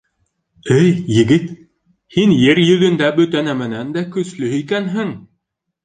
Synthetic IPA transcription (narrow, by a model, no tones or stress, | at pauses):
ɘjjɘ̆ɡɘt̪ | hinjɘɾjɵ̆ðɵ̆nd̪æbɵ̆t̪ænæmɘ̆nænd̪ækɵ̆slɵhikænɦɘŋ